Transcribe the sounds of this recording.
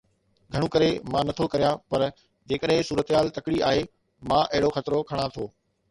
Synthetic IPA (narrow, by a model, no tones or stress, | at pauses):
ɡʱɐɽ̃ũkɐɾemãːnɐt̪ʰokɐɾijãpɐɾ | d͡ʑeːkəɗɦɪ̃suːɾət̪ɦaːlt̪ɐkɪɽiaːɦe | mãːʔɐɦɪɽoxɐt̪ɪɾokʰɐɽ̃ãt̪ʰoː